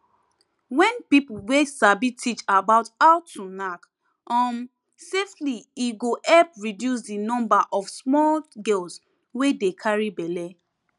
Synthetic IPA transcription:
wɛ̃npipulwesabitʰit͡ʃabaʊtaʊtːunak | ʔɔ̃m | seftliiɡoʔɛpɹidjus̬dinɔ̃mbaʔɔfsmɔlɡɛls | wedekʰaɹibɛle

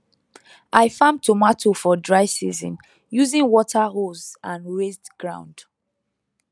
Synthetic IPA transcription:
ʔaɪfãmtʰomatʰofɔdɹaɪsizḭ̃n | juzĩŋwɔtʰaɹozãnwestɡ̥ɹã̰ʊ̃nd̥

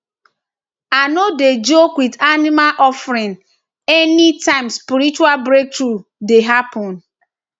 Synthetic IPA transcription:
anoded͡ʒokwidanɪmalʔɔfɾin | ɛnitãɪ̃mspiɾit͡ʃualbɾek̚tɾudeɦapʰɔ̃n

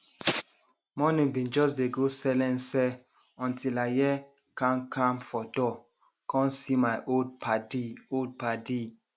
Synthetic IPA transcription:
mɔnĩŋbĩnd͡ʒɔs̬deɡosɛlɛ̃nsɛ | ɔ̃ntʰilajɛ | kãnkʰãmfɔdɔ | kʰɔ̃nsimaɪʔodpadiod̚padi

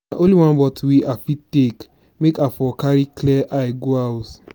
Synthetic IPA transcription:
aʔoliwãnbɔtwiʔafitek | mekafɔkaɹiklɛʔajɡoat

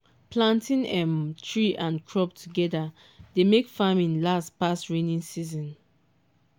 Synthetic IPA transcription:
plãntĩnɛ̃mtʰɹiʔãnkʰɹɔptʰuɡɛda | demekfamĩnlastpastɹenĩnsizɔ̃n

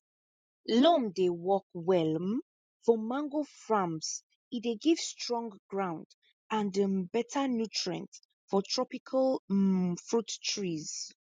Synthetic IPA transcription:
lɔ̃mdewɔkwɛlm | fɔmãŋɡofɹãms | ideɡiv̥stɹɔ̃ŋɡɡɹãw̃nd | ãndəbɛtʰənjutʰɹə̰̃nt | fɔtʰɹɔpikʰəl | fɹuttɹiz̥

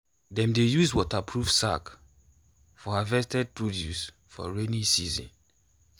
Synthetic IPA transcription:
dɛ̃mdejuzwɔtapʰɹuvsa̰k | fɔavɛstɛd̚pʰɹodjṵs | fɔ̰ɹenĩsizḭ̃n

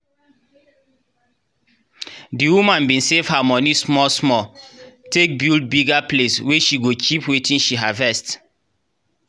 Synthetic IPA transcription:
diwumãnbĩnsev̥hamɔnismɔsmɔtek̚bild̚biɡaplesweʃiɡot͡ʃipwetĩnʃiɦavɛst

